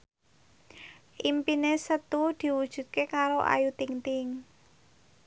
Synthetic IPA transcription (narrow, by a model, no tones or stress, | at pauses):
ʔimpinesət̪ud̪̥i̤wud̥ʒ̥ṳt̪̚kekaɾoʔa̰jut̪iŋt̪ɪŋ